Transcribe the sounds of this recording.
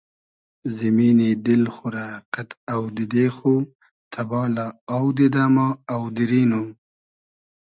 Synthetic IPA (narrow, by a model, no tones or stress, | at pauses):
zɪmiːnid̪ɪlxʊɾaqat̪awd̪ɪd̪exo | t̪ʰabɑːlaawd̪ɪd̪amaawd̪ɪɾiːno